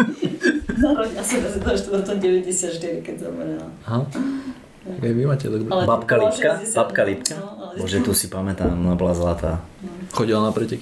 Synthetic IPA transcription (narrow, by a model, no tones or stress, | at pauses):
ɔasiɛzɛd̪aʒɛt̪ɔd̪t̪ɔɟɛʋɛɟɛsɪat̪ʃt̪iɾikɛɟzamɛɾɛlaaɦa | aɡaɪʋimaːcɛd̪ɔɡbapkalipkabapkalip̪̚kabɔʒɛt̪usipamɛt̪aːmɔnabɔlazlat̪aː | xɔɟilanapɾɛcɛk